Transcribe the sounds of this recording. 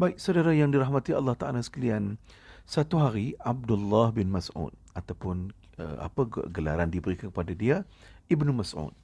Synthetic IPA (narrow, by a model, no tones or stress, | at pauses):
baɪk̚sawdaɾajaŋdiɾaɦmat̪iɑ̰lːɑht̪aʔalasə̥kalian | sat̪uɦaɾiab̚dʊlːahbɪnmasṵt̪̚ | at̪awpʊn | ə̰a̰paɡɡəla̰ɾandibəɾikankəpadadia | ibnumasʔṵt̪̚